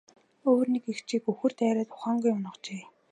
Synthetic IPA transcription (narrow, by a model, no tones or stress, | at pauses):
oːrnekext͡ɕʰiːkɵxɵ̆r̥t̪æːɾæːt̪ʊ̥χaːŋɡujʊnə̆t͡ɕeː